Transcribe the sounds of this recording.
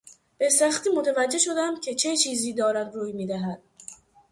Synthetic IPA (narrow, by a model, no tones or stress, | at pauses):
b̥e̞sæxt̪iːmot̪ʰævæd͡ʒːe̞ʃo̞d̪æmcʲʰe̞t͡ʃʰet͡ʃʰiːziːd̪ɒːɾæmɾuːjmiːd̪æɦæd̪̥̚